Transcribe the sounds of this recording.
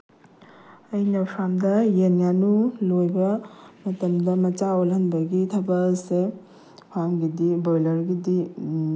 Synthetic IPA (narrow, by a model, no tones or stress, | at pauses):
ɐjnɐpʰɾamdɐjenjanulojbɐmɐtɐmdɐmɐt͡ʃaolɐnbɐɡitʰɐbɐse | pʰaŋɡidibojlɐɾɡidi